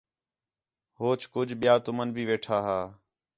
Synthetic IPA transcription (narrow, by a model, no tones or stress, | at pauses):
ɦoːt͡ʃʰkʊd͡ʒʱɓɪjaːt̪ʊmənbʱiːʋeːʈʰaːɦaː